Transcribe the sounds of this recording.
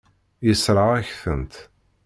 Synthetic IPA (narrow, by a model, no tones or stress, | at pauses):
jəsɾˤɑʁæçθənt̪